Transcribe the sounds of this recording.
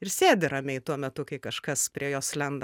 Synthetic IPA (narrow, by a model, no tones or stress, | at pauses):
ɪrsʲeːdʲɪɾɐmʲɛɪt̪uɔmʲɛt̪ʊkɐɪkɐʃkɐspʲɾʲiɛjoːslʲɛnd̪ɐ